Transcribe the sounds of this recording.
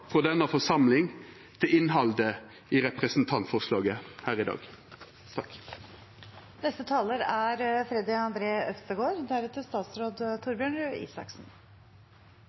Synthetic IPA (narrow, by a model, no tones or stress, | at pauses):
fʁɔd̪ɛnəfɔsɑmlɪŋ | t̪ʰɪlɪnɦɑld̪ə | iːʁɛpʁəsn̩t̪ʰɑnt̪fɔʁslɑːɡəhæːʁɪd̪ɑ̰ːɡ | t̪ʰɑk | nɛst̪ət̪ʰɑːləɾæɾfɾɛd̪ɪɑnd̪ɾeːʔœst̪əɡoːɾd̪æɾɛt̪əst̪ɑːt̪sɾoːd̪t̪ʰʊɾbjøːɳɾʉḭːsɑ̰ksn̩